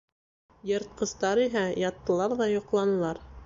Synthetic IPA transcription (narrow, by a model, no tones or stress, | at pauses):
jɤ̆ɾt̪̚qɤ̆st̪ɑɾiɦæjɑt̪ːɤ̆lˠɑɾðɑjŏqlˠɑnɤ̆lˠɑɾ